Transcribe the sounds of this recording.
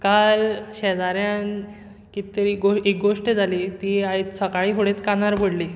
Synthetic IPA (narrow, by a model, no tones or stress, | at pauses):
kalɕɛd͡zaɾjan | kit̪əɾiɡoek̚ɡoʂʈəd͡zʱaliːt̪iait̪səkaɭiːfoɽet̪kanaɾbʱəɽliː